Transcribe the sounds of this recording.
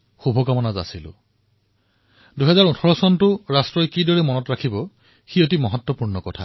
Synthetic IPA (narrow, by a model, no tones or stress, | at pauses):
xubʱɔkamɔnaza̰silʊ̰ | duɦɛzaɹutʰɔɹɔsɔntʊɹastɹɔjkidɔɹɛmɔnɔtɹakʰibɔ | xiot̬imɔɦɔtwɔpuɹnɔkɔtʰa̰